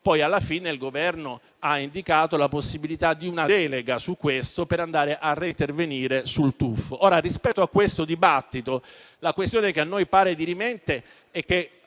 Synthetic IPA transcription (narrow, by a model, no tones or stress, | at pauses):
pɔjalːafiːneilɡovɛrno | aind̪ikaːt̪olaposːibilit̪ad̪iunaɛːleɡasukːwest̪opeɾand̪aːɾeʔarːint̪erveniːɾesult̪ufoʔoːɾarispɛt̪ːoakːwest̪od̪ibat̪ːit̪o | lakwest̪joːnekeanːojpaːɾed̪iɾimɛnt̪e | ɛkːe